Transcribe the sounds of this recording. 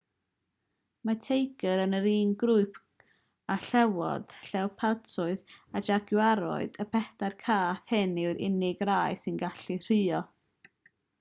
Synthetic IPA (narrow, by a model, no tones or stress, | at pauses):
matʰejɡəɾənəɾiːnɡɾʊɨpʰ | aɬɛwɔ̰d̥ɬɛwpʰartʰʊɨðad͡ʒaɡjwaɾɔ̰ɨd̥əpʰɛθarkʰaːθhɪnɪwɾɪ̰nɪɡraːɨsɨnɡaɬir̥ɨːɔ